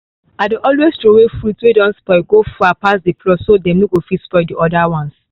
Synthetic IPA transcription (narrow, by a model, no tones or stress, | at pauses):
aɪdoʔɔlweztɾowefɾutwedɔ̃nspɔɪɡofuapasdeplɔsodɛ̃mnoɡofitspɔɪdiʔɔdawɔ̃ns